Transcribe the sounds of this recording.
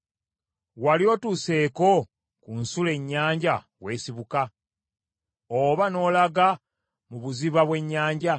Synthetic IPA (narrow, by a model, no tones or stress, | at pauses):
waljo̞ːtuse̞ːko̞ | kunsule̞ɲːaːɲɟa | βwe̞ːsiβuka | oβano̞ːlaɡa | muβuziβaβwe̞ɲːaːɲɟa